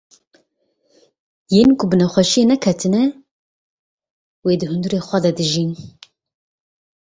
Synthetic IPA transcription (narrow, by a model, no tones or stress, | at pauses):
jeːnkʰʊbɨnɛxʷɛʃijenɛkʰɛt̪ʰɨnɛ | weːd̪ɨhɨnd̪uɾeːxʷɛd̪ɛd̪ɨʒin